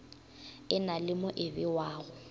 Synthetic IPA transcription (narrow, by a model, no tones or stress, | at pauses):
ɪnalɪmʊʔɪbɪwaːɣʊ